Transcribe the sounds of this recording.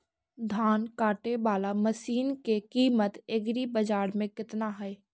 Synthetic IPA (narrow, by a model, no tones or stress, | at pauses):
d̪ʱaːnkaːʈebaːlaməʃiːnkekiːmət̪eɡɾibɐd͡ʒaːɾmẽkɪt̪naɦɛː